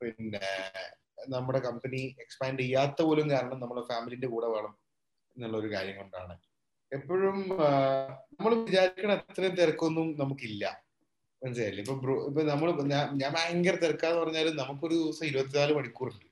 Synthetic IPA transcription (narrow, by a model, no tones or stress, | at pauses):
pinːe | nɐmːuɽe̞kɐmpɐnie̞kspaːɳɖijːaːt̪ːɐpo̞ːlumkaːɾɐɳɐmnɐmːɐɭfaːmilinde̞kuːɽɐʋeːɭɐm | nːɐɭːɐo̞ɾukaːɾjɐŋːoɳɖa̰ːɳɨ | epːoɻum | nɐmːɐɭʋid͡ʑaːɾikʲːɐɳet̪t̪ːrɐjumt̪erɐkːuenːumnɐmukːilːɐ̰ | enːsajːɾilːɐipːoːbroipːoːnɐmːɐɭɲaːmɲaːmaːɐŋɡɐrt̪erɐkːaːnːɨpɐrɐɲːaːlumnɐmukːo̞ɾuiʋɐsɐmiɾubɐt̪̬ːinaːlumɐɽikʲːuːruɳɖɨ